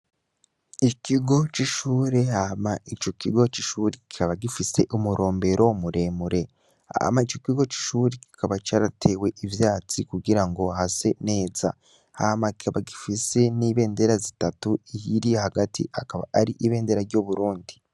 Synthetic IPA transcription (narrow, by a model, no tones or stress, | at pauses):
ikʰiɡo̞t͡ʃiʃuːɾe̞hamait͡ʃo̞kiɡo̞t͡ʃiʃuːɾeki̥kaβaɡifise̞ʔumuɾʔo̞ːmbe̞ɾʔomuɾe̞ːmuɾe̞ | ha̰mait͡ʃo̞kiɡo̞t͡ʃi̥ʃuːɾeki̥kaβat͡ʃaːɾatʰe̞we̞ʔivjaːt͡sikuɡiɾaŋɡo̞ɦase̞ne̞ːza̰ | ha̰makikaβaɡifise̞niːβe̞ːnde̞ɾazitatuijiɾijehaɡatʰḭʔakaβaaɾiʔiβe̞ːnde̞ɾaɾɟoβuɾuːndi